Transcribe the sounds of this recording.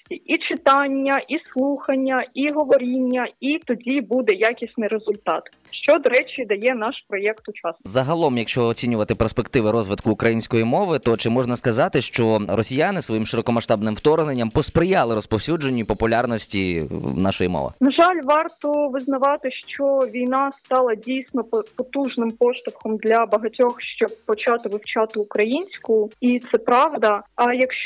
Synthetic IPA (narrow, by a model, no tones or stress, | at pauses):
iʔit͡ʃɪt̪ɑnʲːɐʔislˠuxɐnʲːɐiɦɔʋɔɾʲinʲːɐit̪ɔdʲibud̪ɛjakʲisʲtʲnɪɾezʊlʲt̪ɑt̪ | ʃt͡ʃɔd̪ɔɾɛt͡ʃʲid̪ɐjɛnɑʃpɾɔjɛkt̪ʊt͡ʃɑszɐɦɐlˠɔmjɐkʃt͡ʃɔɔt͡sʲinʲʊʋɐt̪ɪperspekt̪ɪʋɪɾɔzʋɪt̪kʊːkɾɐjinʲsʲkɔjimɔʋɪt̪ɔt͡ʃɪmɔʐnɐskɐzɑt̪ɪʃt͡ʃɔɾɔsʲijanɪsʋɔjimʃɪɾɔkɔmɐʃt̪ɑbnɪmwt̪ɔrnenʲːɐmpɔspɾɪjɑlˠɪɾɔspɔwsʲud͡ʒenʲːipɔpʊlʲarnɔsʲtʲinɑ̰ʃɔjimɔ̰ʋɪ̰nɐʒɑlʲʋɑrt̪ɔʋɪznɐʋɑt̪ɪʃt͡ʃɔʋʲijnɑst̪ɑlˠɐdʲijsʲnɔppɔt̪uʒnɪmpɔʃt̪ʊxɔmd̪lʲɐbɐɦɐtʲɔxʃt͡ʃɔb̚pɔt͡ʃɑt̪ɪʋɪwt͡ʃɑt̪ɪːkɾɐjinʲsʲkʊʊit̪sɛpɾɑʋd̪ɐɐjɐkʃt͡ʃ